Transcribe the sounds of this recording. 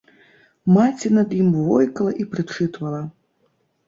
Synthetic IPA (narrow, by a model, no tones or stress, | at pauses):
mat͡sʲinɐd̪jimvɔjkɐlˠɐʔipɾɨt͡ʂɨt̪vɐlˠɐ